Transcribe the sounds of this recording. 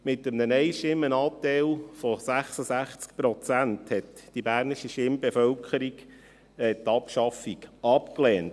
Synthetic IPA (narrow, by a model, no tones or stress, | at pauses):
mɪtəmnənɛɪʃɪmːənɑp̚t̪ɛɪlfɔsæχsəsæχt͡sk̚pɾɔt͡sænthɛtd̥ibæːɾniʃiʃɪmbefœlkʰəɾik | ɛt̪ɑpʃɑfikɑpklɛːnt